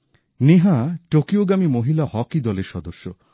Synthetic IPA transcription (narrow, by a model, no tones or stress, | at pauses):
neɦaʈokioɡamimoɦilahɔkid̪ɔleɾʃɔd̪oʃːo